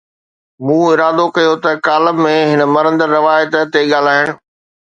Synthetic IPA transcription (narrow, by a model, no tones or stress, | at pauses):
mũːɪɾaːd̪okɐjot̪ɐkaːləbmẽɦɪnə̆mɐɾə̃nd̪əɾːɐʋaːjət̪t̪eɠaːl̤aːɦɪɽ̃ʊ̆